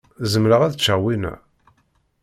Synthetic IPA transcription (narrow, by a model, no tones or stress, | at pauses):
zəmɾəʁæðət͡ʃːəʁwinæ̰